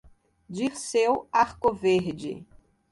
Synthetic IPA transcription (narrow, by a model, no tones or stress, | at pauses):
d͡ʒisewaɾkoveɾd͡ʒɪ̰